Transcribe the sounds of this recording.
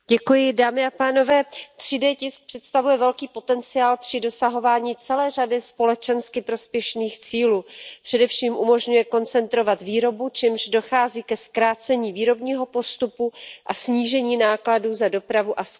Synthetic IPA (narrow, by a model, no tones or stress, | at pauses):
ɟɛkujɪdaːmɪapaːno̞vɛːt̪r̝̥ɪdɛːcɪsk̚pr̥ɛt̪st̪avujɛvɛlkiːpo̞t̪ɛnt͡sɪaːlpr̝̥ɪdo̞saɦo̞vaːɲiːt͡sɛlɛːr̝adɪspo̞lɛt͡ʃɛnskɪpɾo̞spjɛʃniːxt͡siːluːpr̥ɛdɛfʃiːmʔumo̞ʒɲujɛko̞nt͡sɛnt̪ɾo̞vat̪viːɾo̞but͡ʃɛmʒdo̞xaːziːkɛskɾaːt͡sɛɲiːviːɾo̞bɲiːɦo̞po̞st̪upuʔasɲiːʒɛɲiːnaːkladuːzado̞pɾavuʔas